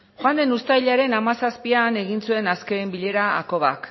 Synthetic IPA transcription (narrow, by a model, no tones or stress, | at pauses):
xoand̪e̞nust̪ajʎaɾe̞namasaspiane̞ɣinsue̞naske̞mbiʎe̞ɾa̰ːko̞β̞a̰k